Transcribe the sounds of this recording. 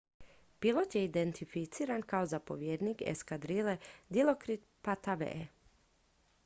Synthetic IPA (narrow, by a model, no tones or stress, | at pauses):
pilˠot̪jeid̪ent̪ifit̪siːɾankao̞zapo̞̰ʋjed̪nikḛskad̪ɾiled̪ilˠo̞kɾit̪pat̪aʋḛ